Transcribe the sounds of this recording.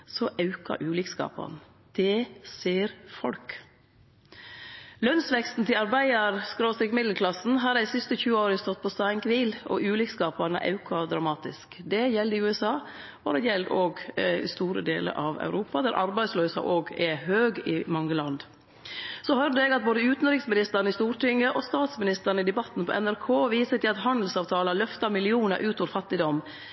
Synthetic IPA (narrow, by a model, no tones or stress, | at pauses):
sɔʔɑʉkɑ̰ʔʉːlɪkskɑ̰ːpɑ̰n | d̪̥ɛseːɾfɔ̰lk | lœnsʋɛkst̪n̩t̪ʰɪlɑɾbæɪɑɾskɾoːst̪ɪkmɪd̪ləkʰlɑsn̩ɦɑd̪æsɪst̪əçʉːəoːɾəst̪ɔt̪̚ːpʰɔst̪ɑɪŋkʰʋiːlɔ̰ʔʉːlɪːkskɑːpɑnə̰ʔɑ̰ʉkʰɑd̪ɾɑmɑːt̪ɪskd̪ɛjɛld̪əɪʉːɛsɑː | ɔɾɛjɛld̪oːɡ̰st̪uːɾə̰d̪eːlə̰ɾʔɑʋ̰ʉɾuːpɑd̪æɾʔɑ̰ɾbæɪsløːsɑ̰ʔoːɡɛhøːɡɪmɑŋːəlɑnd̪ | sɔhœɾd̪əɛːɡɑt̪̚boːd̪əʉːt̪n̩ɾɪksmɪnɪst̪əɾnəɪst̪uːɾʈɪŋːəʔɔst̪ɑːt̪smɪnɪst̪əɾn̩əɪd̪ɛbɑt̪ːn̩pʰɔ̰ʔɛnæɾkʰoːʋiːsət̪ɪlɑt̪hɑnd̪l̩sɑːʋt̪ʰɑːləlœft̪ɑmɪlɪuːnə̰ʔʉːt̪ɔːʋɾfɑt̪ːɪd̪ɔm